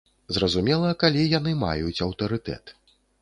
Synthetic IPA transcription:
zrɐzumʲɛlˠɐkalʲijanɨma̰jut͡sʲɐwt̪ɐɾɨt̪ɛ̰t̪

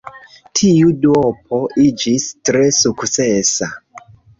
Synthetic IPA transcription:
tʰiuduop̚ʰo̞id͡ʒistɾesukt͡sesa

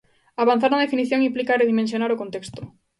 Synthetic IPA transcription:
aβan̟θaɾnaðefiniθjoŋĩmplikareðimẽns̬jonaɾokont̪ekst̪o̥

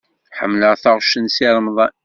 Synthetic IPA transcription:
ħəmːləʁθaʁʃənsiɾˤəmðˤɑ

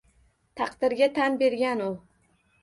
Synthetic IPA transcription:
t̪ʰɑqd̪̥ɪɾɡʲat̪ʰanbe̞ɾɡʲanʊ

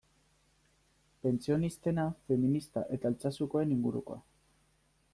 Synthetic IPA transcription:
pe̞nt͡sio̞nist̪e̞nafe̞minist̪aʔe̞t̪aelt͡sasuko̞e̞niŋɡuɾṵko̞a̰

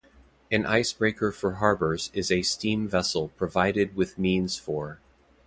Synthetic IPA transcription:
ɨ̃nʔa̰ɪsb̥ɹeɪkʰə˞fə˞ɦɑɹbə˞zɪzɨstĩɱvɛsl̩ˠpʰɹ̥ɨvaɪɾɨd̚wɪðmĩnz̥fə˞

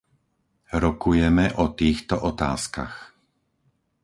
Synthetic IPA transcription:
ɾɔkujɛmɛʔɔt̪iːxt̪ɔʔɔt̪a̰ːska̰x

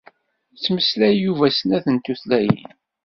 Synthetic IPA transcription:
t͡sːməslæjjːuvæsnæθənt̪ːuθlæjə̰n

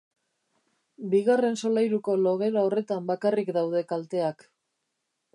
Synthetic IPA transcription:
biɣare̞nso̞lajɾuko̞lo̞ɣe̞ɾao̞re̞t̪ambakarikd̪awðe̞kalt̪e̞ak

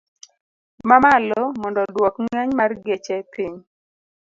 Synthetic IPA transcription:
mamalɔmɔndɔdwɔkŋɛɲmarɡet͡ʃɛpiɲ

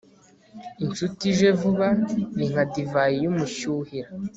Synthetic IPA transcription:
int͡ʃutiʒevuβaniŋ̥adivajijumuʃuhiɾa

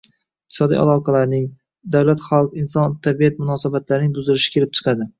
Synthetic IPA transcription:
ɪqt̪ʰɪ̥sɒd̪ḭʔa̰lˠɒqʰɑlaɾnɪŋ | d̪awlat̪χɑlˠqɪnsɒnt̪ʰabijat̪mʊnɒsabat̪laɾɪnɪŋbʊzd̪ɪɾɪʃɪ̥kʲʰe̞lɪp̚t͡ʃʰɨ̥qʰɑd̪ɪ

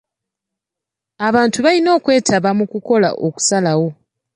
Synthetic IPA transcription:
aβaːntuβalino̞ːkwe̞ːtʰaβamukuko̞la̰ʔoku̥salawo̞

